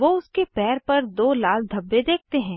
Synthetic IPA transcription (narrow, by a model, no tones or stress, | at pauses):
ʋoːʊskepɛːɾpɐɾd̪oːlaːld̪ʱɐbːed̪eːk̚t̪eɦɛ̃ː